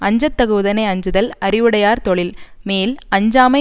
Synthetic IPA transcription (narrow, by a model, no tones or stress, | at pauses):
ɐɲd͡ʒɐt̪ːɐɣɯːðɐneɐɲd͡ʒɯðɐlɐɾɪʋɯɽɐjaːɾt̪ɔɭɪlmeːlɐɲd͡ʒaːmɐ